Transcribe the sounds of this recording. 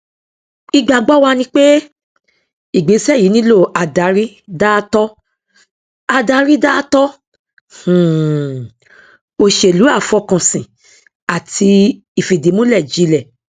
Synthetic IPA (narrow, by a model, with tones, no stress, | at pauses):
i˧ɡ͡ba˨ɡ͡bɔ˦wa˧nĩ˧k͡pe˦ | i˨ɡ͡be˨˦sɛ˦˨ji˨˦nĩ˦lo˦˨a˨da˨˦ɾi˦ | da˦tɔ˦ | a˧da˨˧ɾi˦da˦tɔ˦ | h̩˨ | o˧˨ʃe˨lu˨˦a˦˨fɔ˧kã˨sĩ˨ | a˨tʰi˧ | i˨fi˨di˨˦mũ˦lɛ˦˨d͡ʒi˨˦lɛ˨